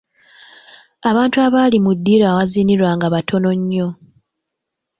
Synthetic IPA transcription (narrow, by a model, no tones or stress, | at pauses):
aβaːntuaβaːlimudːiːɾawaziniɾwaŋɡaβatʰo̞no̞ɲːo̞